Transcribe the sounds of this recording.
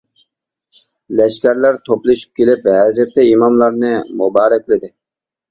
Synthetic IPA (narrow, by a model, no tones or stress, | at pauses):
lɛʃkʲæɾlæɾt̪ʰoplˠɨʃy̥p̚kʲʰelɪpɦɛzɛp̚t̪ɛimɑmlˠɑɾnɨmubɑːɾɛkʲlɪd̪ɪ